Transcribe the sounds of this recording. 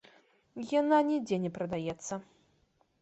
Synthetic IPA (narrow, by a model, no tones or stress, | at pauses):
jananʲid͡zʲɛnʲɛpɾɐd̪ajɛt̪sːɐ